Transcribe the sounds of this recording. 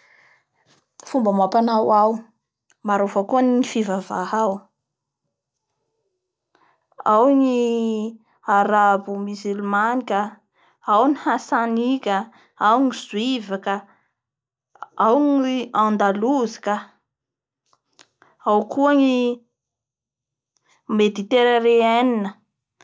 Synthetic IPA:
fumbamapanawaw | maɾofakuaniifivavahaw | awni | aɾabumizilmanikʲə | awnihasanikʲə | awŋizwivaka | awŋiãnd̪aluzi̥ka | awkuəŋi | med̪it̪eɾəɾeaninə

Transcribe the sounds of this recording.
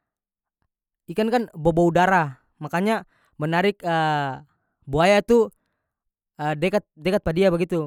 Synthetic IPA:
ikankanboboudaɾa | makaɲa | mənaɾɪkə | buajat̪u | əːdekat̪̚dekat̪̚padiabəɡit̪u

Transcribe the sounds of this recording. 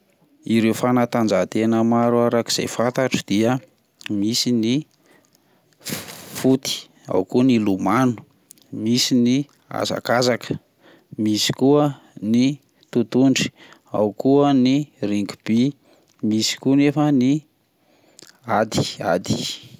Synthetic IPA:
iɾewfanat̪and͡zat̪enəmaɾuaɾaki̥z̥a̰jfat̪aʈ͡ʂəd̪̥iə | misini | fut̪i̥ | a̰wkunilumanu̥ | misini | a̰za̰kazakə̥ | misi̥kuə | ni | t̪ut̪uɳɖ͡ʐi̥a̰wkuəniriŋɡu̥b̥i | misi̥kunefəni | ad̪i̥a̰d̪i̥

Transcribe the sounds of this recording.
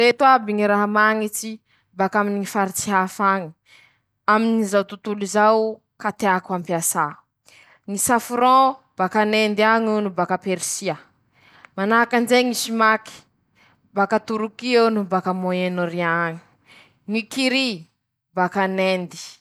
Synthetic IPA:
ɾet̪wabiŋiɾaɦamaŋit͡si | bakaminiŋifaɾit͡siɦafaŋi̥ | aminizawt̪ut̪ulizaw | kat̪eakuãmpiasa | ŋisafuɾɔ̃ | b̥akanend̪iaŋunubakapeɾisiə | manaakand͡ʒeŋisimaki̥ | bakat̪uɾukiewnubakamoenoɾiaŋi̥ | ŋikiɾi | bakanend̪i̥

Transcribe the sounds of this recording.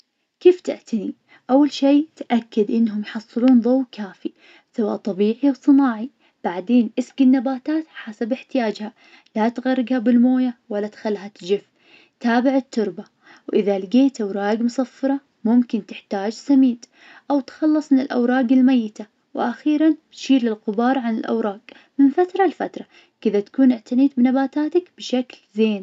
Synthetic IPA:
keːft̪ɪ̰ʔt̪ʰani | ʔawːalʃeːt̪ʔakːad̪ʔɪnːɦʊmjħɑsˤːɨluːnðˤɑwkaːfi | sawa̰ːʔt̪ˤɑbiːʕiwsˤɨnaːʕi | b̥aʕd̪eːnʔɪsɡinːabaːt̪aːt̪ħasabɪħt̪ɪjaːd͡ʒha | lat̪ɣɑrˤːɪɡhabɪlmoːjawalːat̪xalːɦat̪d͡ʒɪf | t̪aːbɪʕɪt̪ːʊɾba | wʔɪðalɪɡeːt̪ʔawɾˤɑːɡmʊsɑfːɑɾˤɑ | mʊmkɪnt̪ɪħt̪aːd͡ʒsamiːd̪ | ʔawt̪xɑlːɑsˤmɪnɪlʔa̰wɾˤɑːɡɪlmajːɪt̪a | wʔaxiːɾˤanbt̪ʃiːɾlɪlqʊbɑːɾˤʕanɪlʔa̰wɾˤɑːɡ | mɪnfat̪ɾˤɑlfat̪ɾˤɑ | kɪðat̪ḁkuːnʔɪʕt̪ʰaniːt̪̚bɪnabaːt̪aːt̪akbɪʃaklzeːn

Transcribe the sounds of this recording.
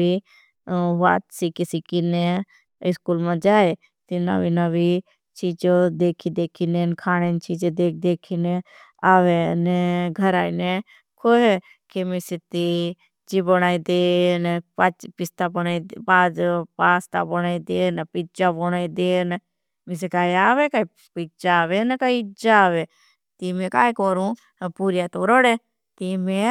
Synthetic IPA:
i | ʋa̰ːt̪sikisikine | ɪskulmãd͡ʒaːe | t̪ina̰ʋinɐʋi | t͡ʃiːd͡ʒod̪eːkʰid̪eːkʰinenkʰaːɽ̃ent͡ʃiːd͡ʒed̪eːk̚d̪eːkʰine | aːʋenɛɡʱɐɾaːine | kʰoɦe | kemisit̪i | d͡ʒibəɽ̃aːid̪enɛat͡ʃpɪst̪abəɽ̃aːid̪baːd̪paːst̪a̰bɐɽ̃aːid̪enpit͡ʃabɔɽ̃aːid̪en | mis̬ekaːiaːʋekaːi | pit͡ʃaːʋenɛkaiɪd͡ʒaaːʋe | t̪imẽkaːikoːɾũ | puːɾjat̪oɾɔɽe | t̪imẽ

